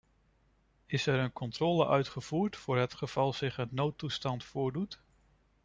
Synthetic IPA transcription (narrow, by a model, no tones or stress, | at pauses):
ɪsɛɾənkɔntrɔːləʔœɥtχəv̥uːɹtfʊːɹɦətχəv̥ɑlˠz̥ɪχɦətnowtːustɑntfʊːɹdut